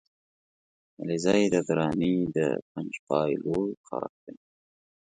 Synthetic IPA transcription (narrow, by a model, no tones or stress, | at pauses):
alizɑjd̪əd̪ɾɑnid̪ə̰pand͡ʒpɑjloqɑ̰ɾa̰q̚d̪aj